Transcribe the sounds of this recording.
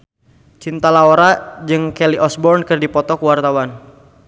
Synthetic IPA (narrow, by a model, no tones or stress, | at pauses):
t͡ʃint̪alaoɾad͡ʒɨŋkɛliʔɔsbɔrnkərdipɔt̪ɔkuwart̪awan